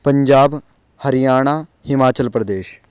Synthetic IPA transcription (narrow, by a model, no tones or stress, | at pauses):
pəɲd͡ʒaːb | həɾɪjaːɽ̃aːhɪmaːt͡ʃəlpɾəd̪eːʃ